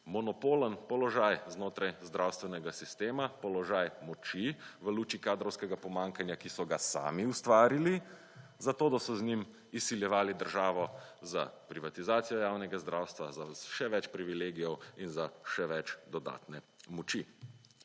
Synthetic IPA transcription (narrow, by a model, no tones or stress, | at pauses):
mɔnɔpoːlənpɔlɔʒajznoːt̪ɾajzd̪ɾawst̪ʋɛnɛɡasist̪eːmapɔlɔʒajmɔt͡ʃiʋəluːt͡ʃikaːd̪ɾɔwskɛɡapɔmaːŋkanjakisɔɡasa̰ːmiust̪ʋaːɾili | zat̪oːd̪asɔznim | isiljɛʋaːlid̪əɾʒaːʋɔza̰pɾiʋat̪izaːt̪sijɔjaːwnɛɡazd̪ɾaːwst̪ʋazaʃɛʋɛt͡ʃpɾiʋileːɡijɔwinzaʃɛʋɛt͡ʃd̪ɔd̪a̰ːt̪nɛ | mɔt͡ʃi